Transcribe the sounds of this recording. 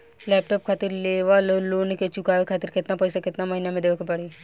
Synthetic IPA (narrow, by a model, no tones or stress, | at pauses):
lɛːp̚ʈɔːp̚kʰaːt̪ɪɾleːʋaloloːneket͡ʃʊkaːʋekʰaːt̪ɪɾkɪt̪napɐjsakɪt̪namɐɦinamẽd̪eːʋekepɐɽe